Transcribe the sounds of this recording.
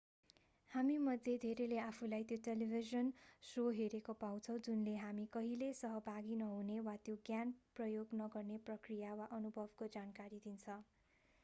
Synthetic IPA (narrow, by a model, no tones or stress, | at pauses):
hamimʌd̪ʱed̪ʱeɾeleapʰulajt̪joʈelibʱizʌnsoɦeɾekopaw̃t͡sʰʌ̃w̃d͡zunleɦamikʌɦilesʌɦʌbʱaɡinʌɦunewat̪joɡjanprʌjoɡnʌɡʌrneprʌkrijawaʔʌnubʱʌbkod͡zankaɾid̪int͡sʰʌ